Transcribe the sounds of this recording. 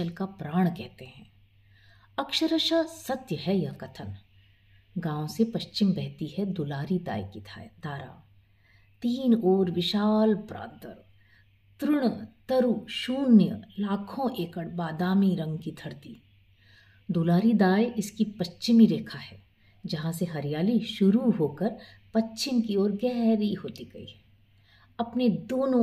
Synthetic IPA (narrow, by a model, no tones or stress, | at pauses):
əlkapɾaːɽ̃kɛɦt̪eɦɛ̃ː | ɐkʃəɾəʃasɐt̪jəɦɛjɐkɐt̪ʰən | ɡãːõsepɐʃt͡ʃɪmbɛɦt̪iɦɛd̪ʊlaːɾid̪a̰ːjkit̪ʰd̪aːɾa̰ː | t̪iːnoːɾʋɪʃaːlpɾa̰ːd̪əɾ | t̪ɾʊɽ̃t̪ɐɾuːʃuːnjəlaːkʰõʔeːkəɽbaːd̪aːmiɾɐ̃ŋɡkit̪ʰɐɾt̪i | d̪ulaːɾid̪aːjɪskipɐtːt͡ʃɪmiɾeːkʰaɦɛː | d͡ʒɐɦãseɦɐɾɪjaːliʃʊɾuɦoːkəɾ | pɐt͡ʃːʃɪmkiɔːɾɡɛɦɾiɦoːt̪iɡɐḭːɦɛ | ɐpned̪oːnõ